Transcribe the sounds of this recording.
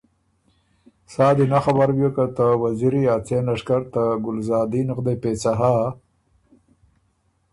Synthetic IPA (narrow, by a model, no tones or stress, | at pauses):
sɑːd̪inaxabaɾwjokat̪awaziɾiaːt͡selaʂkaɾt̪aɡʊlzɑːd̪inəqd̪epet͡saɦa